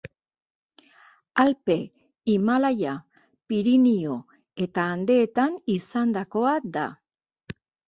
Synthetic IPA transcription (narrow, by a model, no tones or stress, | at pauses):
alpe̞ | imalaja | piɾinio̞ | e̞t̪aːnd̪e̞ːt̪anisand̪ako̞ad̪a̰